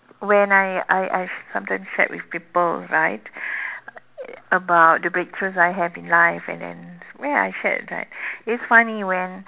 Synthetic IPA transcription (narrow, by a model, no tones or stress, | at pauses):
wɛ̃najajʔajsãmtãɪ̃msʃɛ̰ʔ̚wḭfpipəlɹaɪt | əbaʊt̚dəbɹek̚tʰɹusajɦɛvĩnlaɪfɛ̰̃ndɛ̰̃nwɛa̰jʃɛ̰t̚ɹa̰ɪt̚ɪtsfaniwɛ̃n